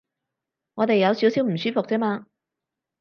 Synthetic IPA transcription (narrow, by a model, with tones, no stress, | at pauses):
ŋɔː˨˧t̪e˨jɐ˨˧wsiː˨˥wsi˨˥wm̩˨˩syː˥fʊ˨k̚t͡sɛː˥maː˧